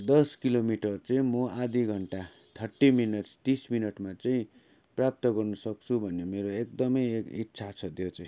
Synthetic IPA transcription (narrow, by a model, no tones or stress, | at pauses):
d̪ʌskilomiʈʌrt͡saĩmʌad̪iɡʱʌɳʈa | t̪ʰʌʈːiminʌʈst̪isminʌʈmat͡saĩ | prap̚t̪ʌɡʌrnʌsʌk̚t͡sʰubʱʌnemeɾoek̚d̪ʌmʌjkit̪ːsʰat͡sʰʌt̪jot͡saĩ